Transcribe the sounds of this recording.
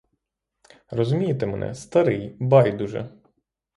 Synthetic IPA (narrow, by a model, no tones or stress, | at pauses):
rɔzʊmʲijet̪emenʔɛ̰st̪ɐɾɪjbɑjd̪uʒɛ̰